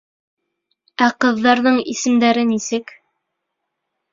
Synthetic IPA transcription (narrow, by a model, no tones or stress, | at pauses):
æqɤ̆ðːɑɾðɤɴḭsɘ̆md̪æɾɘnisɘk